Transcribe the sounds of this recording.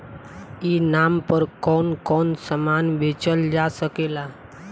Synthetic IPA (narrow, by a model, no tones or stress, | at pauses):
inampəɾkɔnkɔnsəmanʋet͡ʃəld͡ʒasəkela